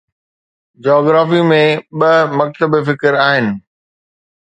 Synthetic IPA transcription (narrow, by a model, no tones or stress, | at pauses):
d͡ʑɔːɡɾaːfimẽɓɐmɐk̚t̪əbfɪkəɾaːɦɪnɪ̆